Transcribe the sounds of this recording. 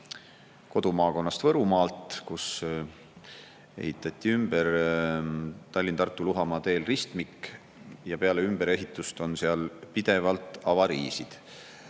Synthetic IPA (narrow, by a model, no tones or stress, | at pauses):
ko̞d̪̥umɑːko̞nːɑst̪vɤɾumɑːlt̪kus | e̞̰hit̪ːˑɑt̪ʲˑːiymb̥eɾ | t̪ɑlʲːint̪ɑrt̪ːˑuluɦɑmɑːt̪e̞ːlrist̪mik | jɑpe̞ɑle̞ymb̥e̞ɾe̞ɦit̪ːˑust̪o̞nseɑlpid̪̥e̞vɑlt̪ˑɑvɑɾiːsid̪̥